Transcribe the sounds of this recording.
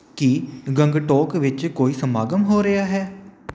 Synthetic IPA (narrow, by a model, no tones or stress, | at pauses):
kiɡəŋɡʈɔːkʋɪt͡ʃkoːiːsəmaːɡəmɦoːɾəjaːɦɛː